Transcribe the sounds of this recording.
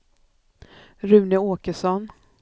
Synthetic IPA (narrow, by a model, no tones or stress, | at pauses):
ɾʉ̟ːnɪoːkəʂɔn